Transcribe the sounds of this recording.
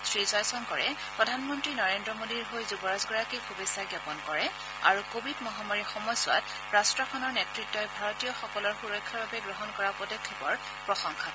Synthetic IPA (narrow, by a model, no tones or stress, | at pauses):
sɹizɔjsɔnkɔɹɛ | pɹɔdʱanmɔntɹinɔɹendɹɔmodiɹɦojzubɔɹazɡɔɹakibʱubesːaɡjapɔnkɔɹɛ | a̰ɹukobʱidmɔɦamaɹixɔmɔjsʊwa̰t̚ | ɹastɹɔkʰɔnɔɹnetɹitːɔjbʱaɹɔtijɔxɔkɔlɔɹxuɹɔkʰːjaɹbabɛɡɹɔɦɔnkɔɹapɹɔdɔkʰːibɔɹ | pɹɔxɔŋxʰa